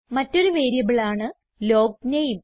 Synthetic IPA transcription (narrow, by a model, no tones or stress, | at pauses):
mɐtːo̞ɾuʋe̞ːɾijɐʋiɭaːɳɨ | lo̞ːɡ̚nɐjum